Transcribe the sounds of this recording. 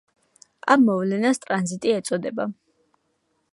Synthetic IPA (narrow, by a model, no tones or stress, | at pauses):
amːɔvlɛnast̪ʼɾanzit̪ʼiɛt̪sʼɔd̪ɛba